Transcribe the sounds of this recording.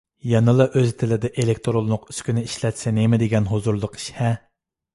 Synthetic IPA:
jɑnɨlˠɑʔøzt̪ʰɪlɪd̪ɛʔelek̚ʲt̪ʰoɾolˠnʊqy̥skʲynɪiʃlɛt̪sɛnemɪd̪eɡʲɛnɦozuɾlˠʊqi̥ʃhɛ

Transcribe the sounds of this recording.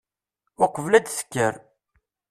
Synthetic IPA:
ʊqəvlæd̪sə̥kːəɾ

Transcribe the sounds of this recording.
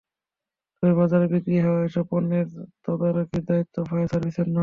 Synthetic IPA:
t̪ojbad͡ʑaɾbiɡɾiɦɛoaeʃɔponːeɾt̪ɔd̪aɾokiɾd̪ait̪ʰːofajasaɾbisenːɔ

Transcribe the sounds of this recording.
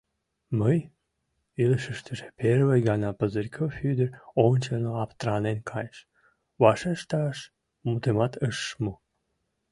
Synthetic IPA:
məj | iləʃəʃt̪ʰəʒepeɾvəjɡɑnɑpəzəɾʲkʰofyd̪ərʲont͡ɕenoɑpt̪ɾɑnenkʰɑjʃ | vɑʃəʃt̪ɑʃ | mut̪emɑt̪ʰəʃːmu

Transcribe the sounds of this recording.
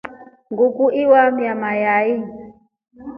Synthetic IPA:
ŋɡukuʔiwamjamajai

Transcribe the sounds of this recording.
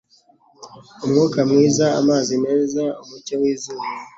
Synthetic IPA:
umŋuːkamŋiːzaa̰maːzine̞ːzaumucewiːzuβa

